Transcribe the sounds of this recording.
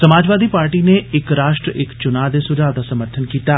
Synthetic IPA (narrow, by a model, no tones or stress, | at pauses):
sɐmaːd͡ʒʋaːd̪ʱipaːɾʈineɪkɾaːʃʈɾəʔɪkt͡ʃʊnaːd̪esʊd͡ʒaːʋd̪asɐməɾt̪ʰənkiːt̪aː